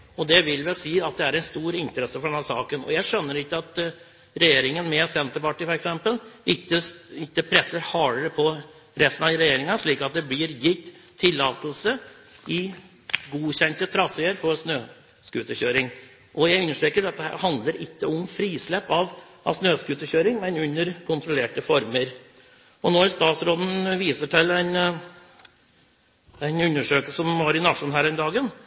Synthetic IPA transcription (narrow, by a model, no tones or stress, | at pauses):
ɔd̪ɛʋɪlʋɛlsiːɑt̪̚d̪ɛæɾɛnst̪uːɾɪnt̪əɾɛsːəfɔɖɛnæsɑːkənɔ̰jæɪʂœnːəɾɪkːəɑt̪ | ɾɛjeːɾɪŋənmɛsɛnt̪əɾpɑʈːiːfɔɾɛksɛmpəlɪkːəɪkːəpʰɾɛsːəɾhɑːɾəɾəpʰɔ | ɾʔɛst̪ənɑd̪ɾɛjeːɾɪŋɑʂɭiːkɑt̪̚d̪ɛblɪɾjɪt̪ʰː | ɪlːɑːt̪əlsə | ɪ | ɡuːɕɛnt̪ət̪ʰɾɑsɛəɾfɔɾsnøː | skʉːt̪əçøːɾɪŋ | ʔɔjæɪɾʉnːəʂʈɾeːkəɖɑt̪̚d̪ɛhæ̰ːɾhɑnd̪ləɾɪkːəɔmfɾiːslɛpːɑʋ | ʔɑ̰ʋsnøːskʉːt̪əçøːɾɪŋmɛnʉnːəɾkʰʊnt̪ɾʊleːʈəfɔɾməɾ | ɔnoːæɾst̪ɑːt̪sɾoːd̪n̩ʋiːsəʈʰɪlæɪn | æɪnʉnːəʂøːkəlsəɔmɑːɾɪnɑʂʊnɦæːɾɛnd̪ɑːɡən